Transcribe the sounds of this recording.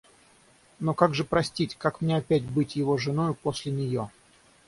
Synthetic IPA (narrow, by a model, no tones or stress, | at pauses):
no̞kaɡʐɨpɾɐsʲtʲitʲkakmnʲeɐpʲætʲbɨtʲjɪvo̞ʐɨno̞jʊpo̞sʲlʲɪnʲɪjo̞